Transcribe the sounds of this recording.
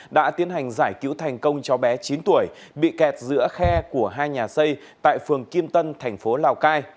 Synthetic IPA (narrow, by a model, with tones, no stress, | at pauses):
ɗa̰ː˧˥t̪i˨˦ənha˨˩jŋ̟zaː˧˩jkḭ˧˥wt̪ʰɛ˨˩jŋ̟kə˧wŋ͡mt͡ɕɔ˨˦ɓɛ˨˦t͡ɕi˨˦nt̪u˧˩əj | ɓḭ˧˨kɛ˨˩t̚zɨ̰˧˥əxɛ˧ku˧˩əɦaː˧jɲaː˨˩sə˧j | t̪a̰ː˧˨jfɨ˨˩əŋki˧əmt̪ə˧nt̪ʰɛ˨˩jŋ̟fo˨˦laː˨˩wkaː˧j